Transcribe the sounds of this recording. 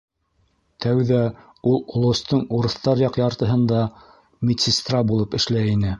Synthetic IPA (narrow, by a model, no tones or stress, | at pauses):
t̪ʰæwðæ | ulˠolˠŏst̪ɤɴuɾɤ̆θt̪ɑɾjɑqjɑɾt̪ɤ̆ɦɤnd̪ɑ | mʲɪt̪ʲsʲɪst̪rɑbulˠɤpɘ̆ʃlæinɘ